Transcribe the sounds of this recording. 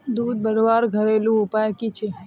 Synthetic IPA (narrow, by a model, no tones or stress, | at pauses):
d̪ud̪̚bəɾʋaɾɡʱəɾelũʊpajkit͡ʃʰe